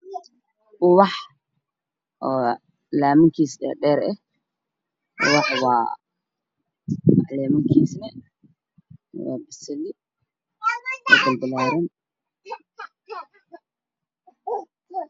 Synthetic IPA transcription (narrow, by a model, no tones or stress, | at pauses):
ʔʊwɑħ | ʔɔː | laːmɪŋkʰiːsdɛ̰ːɖɛːɾɛ | ʔʊwɑħwɑ̰ː | lɛːmɪŋkʰiːsnɛ | wa̰ːbɪsɛlɪ | wa̰ːbɐlbɪlaːɾɐn